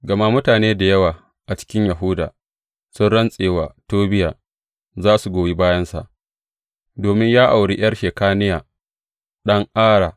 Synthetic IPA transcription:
ɡɐ˨ma˦mʊ˦taː˨neː˦da˨jɐ˦waː˨ | ʔa˨t͡ʃɪ̥˦kʲɪ˦ɲja˨ɦʊ˦da̰ː˨ | sʊ˦nɽɐ˦nsʼeː˨waː˨toː˦bɪ˦jaː˨ | zaː˦su˨ɡʷoː˨ji˦baː˦jɐ˦nsa̰˨ʔ | doː˨mɪ˦ɲjaː˦ʔa˨wɽi˦ʔj̰ɐ˦rʃeː˨kaː˦nɪ˦jaː˨ | ɗɐ˦ŋʔaː˦ɽaː˨

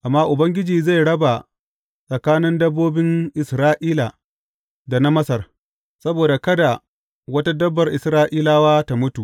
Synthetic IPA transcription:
ʔa˨mːaː˦ʔʊ˨bɐ˦ŋɡʲɪ˦d͡ʒiː˨za˦˨jɽɐ˦ba˨ | sʼɐ˨kaː˦nɪ˦ndɐ˦bːoː˦bɪ˦ŋʔɪ˨sɾaː˦ʔiː˦la˨ | da˨na˦mɐ˦sɐ˨r | sɐ˦boː˨da˨kɐ˦da˨ | wɐ˦ta˦dɐ˦bːɐ˨rʔɪ˨sɾaː˦ʔiː˦laː˦waː˦ta˨mʊ˦tu˨ʔ

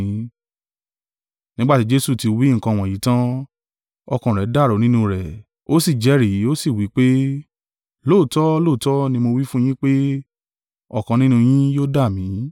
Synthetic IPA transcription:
ĩ˨˦ | nĩ˦ɡ͡ba˦˨ti˨˦d͡ʒe˦su˦˨ti˧wi˨˦ŋ̩˨kã˧˨w̃ɔ̃˨ji˨˦tã˦ | ɔ˧kã˨ɾɛ˨˦da˦˨ɾo˨˦nĩ˦nũ˧ɾɛ˨ | o˦si˦˨d͡ʒɛ˨˦ɾi˨˦o˦si˦˨wi˨˦k͡pe˦ | lo˦˨tɔ˦lo˦˨tɔ˦nĩ˧mo˧wi˦fũ˦j̃ĩ˦k͡pe˦ | ɔ˦˨kã˨˧nĩ˦nũ˧j̃ĩ˦jo˦da˦˨mĩ˨˦

